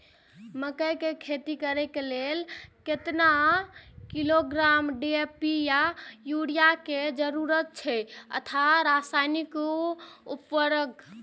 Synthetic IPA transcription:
məkəjkekʰet̪ikəɾɛkelelket̪na | kiloɡɾamɖiepijajuɽijaked͡ʒəɾuɾət̪̚t͡ʃʰɛə̰t̪ʰaɾasajnikoupːəɾəɡ

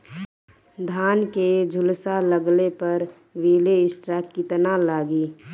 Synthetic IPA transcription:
d̪ʱaːnked͡ʒʱʊlsaləɡlepəɾ | ʋiːleɪsʈɾakːit̪ənalaːɡiː

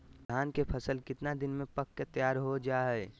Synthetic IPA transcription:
d̪ʱaːnkepʰəsəlkɪt̪nad̪ɪnmẽpəkːet̪əjaːɾɦod͡ʒaːɦɛɛ

